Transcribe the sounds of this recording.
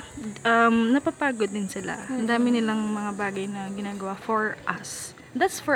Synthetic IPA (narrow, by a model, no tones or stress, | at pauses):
ʔɐmnɐpapaːɡod̪ːɪnsɪla̰ɐnd̪aːmɪnɪlaŋmɐŋabaːɡɐjnɐɡɪnaːɡɐwafoɹʔɐs | d̪at̪sfɔ